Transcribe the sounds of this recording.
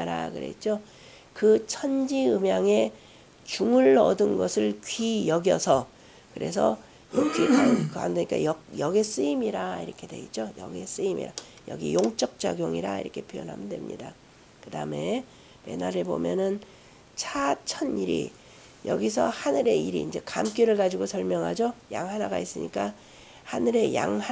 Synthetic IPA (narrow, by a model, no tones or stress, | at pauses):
aɾakɯɾe̞̰t͡ɕ͈o | kɯt͡ɕʰʌnd͡ʑiɯmjaŋe̞ | t͡ɕuŋɯɭʌ̰dɯnɡʌsʰɯɭkɥijʌɡjʌsʰʌ | kɯɾe̞sʰʌ̰ | jʌkikakɯa̰ndeɲik͈a̰jʌjʌɡes͈ɯimiɾaiɾʌkʰe̞dwe̞̰it͡ɕ͈ojʌ̰ɡes͈ɯimḭɾa | jʌ̰ɡḭjoŋt͡ɕ͈ʌk̚t͡ɕ͈a̰ɡjoŋiɾaḭɾʌkʰe̞pʰjojʌnɦa̰mjɯndwe̞mɲḭda | kɯdaɯme̞ | pe̞̰naɾebo̰mjʌnɯn | t͡ɕʰat͡ɕʰʌniɾḭ | jʌ̰ɡisʰʌhanɯɾe̞iɾḭːnd͡ʑe̞kamk͈jiɾɯɭɡad͡ʑiɡosʰʌɭmjʌŋɦad͡ʑoja̰ŋɦanaɡais͈ɯɲik͈a | hanɯɾe̞ja̰ŋh